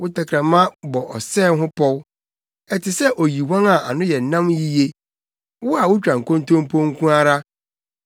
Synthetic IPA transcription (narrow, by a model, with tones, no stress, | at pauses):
wʊ˦ta˨kʰɾã˨mã˦bɔ˨ʔɔ˨sɛː˦˨˦ɦʊ̃˦pʰɔ˦w | ɛ˦tʰɪ˨sɛ˦ʔo˨ji˨wã˦ŋa˨a˨nʊ̃˦jɛ˨n̩˨nːã˦mji˦je˦ | wʊ˦a˨wʊ˦t͡ɕᶣã˨ŋ̩˨kõ˦ntʰõ˦m˦pʰõ˦ŋ̩˦kʰũ˦a˦ɾa˦